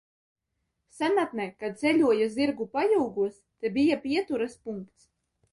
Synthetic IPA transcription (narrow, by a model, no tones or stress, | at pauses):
sænat̪̚nɛkːazɛlʲuɔjaziɾɡupajuwɡuɔst̪ɛbijapʲiɛt̪uɾaspuŋkt̪s